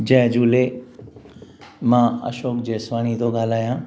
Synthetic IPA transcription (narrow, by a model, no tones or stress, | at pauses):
d͡ʑɛ̃ɦd͡ʑuːle | mãːɐ̰ʃoːkd͡ʑeːsʋaːnit̪oɠaːl̤aːjãː